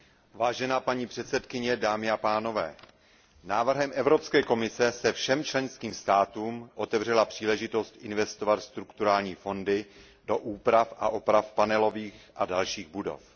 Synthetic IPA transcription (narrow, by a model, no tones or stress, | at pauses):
vaːʒɛnaːpaɲiːpr̥ɛt̪sɛt̪kɪɲɛdaːmɪapaːno̞vɛ̰ː | naːvr̩ɦɛmʔɛvɾo̞pskɛːko̞mɪsɛsɛfʃɛmt͡ʃlɛnskiːmst̪aːt̪uːmʔo̞t̪ɛvr̝ɛlapr̝̥iːlɛʒɪt̪o̞st̪ʔɪnvɛst̪o̞vat̪st̪ɾukt̪uɾaːlɲiːfo̞ndɪ | do̞ʔuːpɾafʔa̰ʔo̞pɾafpanɛlo̞viːxʔadalʃiːɣbudo̞̰f